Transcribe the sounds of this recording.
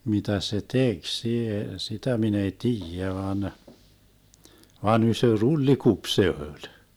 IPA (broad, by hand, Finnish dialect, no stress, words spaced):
mitæ se tek sie sitæ min ei tiːjæ ʋɑn ʋɑn ysø rulːikup se ølʲ